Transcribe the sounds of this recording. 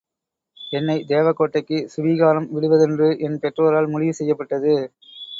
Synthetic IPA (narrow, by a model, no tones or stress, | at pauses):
ɛnːɐɪd̪eːʋɐkːoːʈːɐɪkːɯsʊʋiːɣaːɾɐmʋɪɽɯʋɐðɛndrɯʔɛnpɛʈroːɐɾaːlmʊɻɪʋɯsɛjːɐpːɐʈːɐðɯ